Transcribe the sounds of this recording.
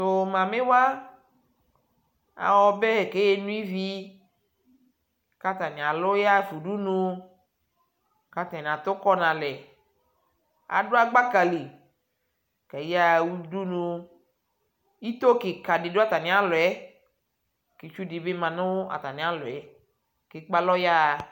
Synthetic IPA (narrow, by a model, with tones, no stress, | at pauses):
t̪o˨mã˨me˦wa˦ | a̰˨wɔ˨be˦he˨ke˦je˦nũ˦i˦vi˦ | ka˦t̪a˨nĩ˨a˨lo˦ja˦fu˨ɖu˦nũ˦ | ka˨t̪a˨n˨a˨t̪o˦kɔ˦nã˨lɛ˨ | a̰˨ɖo˦a˦˨ɡ͡ba˦ka˨li˨ | ka˨ji˦a˦wu˦du˦nũ˨ | i˦t̪o˦ke˨ka˨de˨do˦a˦˨t̪a˨nĩ˨˦a˦lo˨ɛ˦ | ke˨t͡ʃu˦di˨be˦mã˨nʊ̃˦wo˦a̰˨t̪a˨nĩ˨˦a˦lo˨ɛ˨˦ | ke˨k͡pa˦lɔ˦ja˦˨